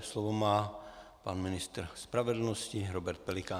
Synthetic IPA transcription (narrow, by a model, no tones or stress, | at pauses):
slɔvomaːpanmɪnist̪ɾspɾavɛdl̩nɔsciɾobɛɾt̪̚pɛlikaː